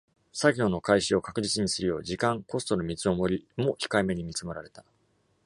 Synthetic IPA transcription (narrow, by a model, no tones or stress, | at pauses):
saɡʲo̞ːno̞kaiɕio̞kakɯ̟ʑit͡sɨɲ̟isɨɾɯ̟jo̞̰ːʑikãŋko̞st̪o̞nomʲit͡sɨo̞mo̞ɾʲimo̞çi̥kaime̞ɲ̟imʲit͡sɨmeɾaɾe̞t̪ḁ